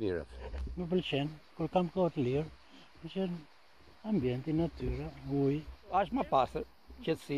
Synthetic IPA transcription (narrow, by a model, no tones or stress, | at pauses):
iɾa̰tɛnup̬əlʃɛnkuɾkamkɔt̪liɾ | pəlʃɛn | ambjɛ̃nt̪inat̪yɾaujaʃmɐpasɐ | t͡ʃɐsi